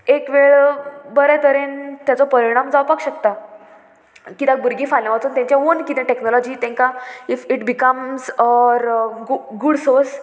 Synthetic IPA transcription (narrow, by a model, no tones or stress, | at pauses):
ekʋeɭbəɾɛ̃t̪əɾent̪jat͡sɔpəɾiɽ̃amd͡zawpakɕək̚t̪a | kit̪ãkbʱuɾɡĩfalãʋat͡suːnt̪jãɲt͡ɕjãonkit̪ɛ̃ʈeknɔlɔd͡ʑit̪ɛ̃ŋkaifiʈbikəmsɔɾɡuɡuɽsoɾs